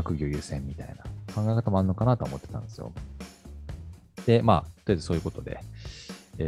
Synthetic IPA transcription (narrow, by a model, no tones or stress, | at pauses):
akɯ̟ɡʲo̞ːjɯ̟ːsẽmːʲit̪a̰inakʰãŋɡajkat̪amoaɾɯ̟no̞kanat̪oomo̞t̪ːe̞t̪ã̰nd̪esɨjo̰ | d̪̥e̞maːot̪od̪esoːjɯ̟ko̞t̪o̞d̪e̞̰ | e